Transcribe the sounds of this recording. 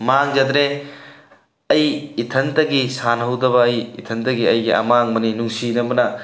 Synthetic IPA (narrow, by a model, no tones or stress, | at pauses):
maŋd͡ʒɐd̪ɾe | ɐjːtʰɐntɐɡisanɦɐwdɐbɐːjḭtʰɐntɐɡiɐjɡiʔɐ̰maŋmɐninuŋsinɐbɐnɐ